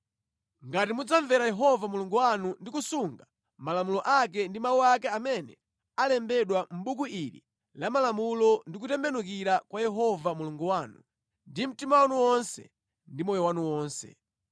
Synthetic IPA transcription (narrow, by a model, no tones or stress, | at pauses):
ŋɡatimud͡zaɱvɛɾajɛɦɔvamuluŋɡuwanundikusuŋɡa | malamulɔʔak̬ɛndimawuakɛamɛnɛ | alɛmbɛɗwam̩ɓukuiɾḭ | lamalamulɔndik̬utɛmbɛnuk̬iɾakwajɛɦɔvamuluŋɡuwaːnu | ndim̩timawanuwɔnsɛ̰ | ndimɔjɔwanuwɔːnsɛ̰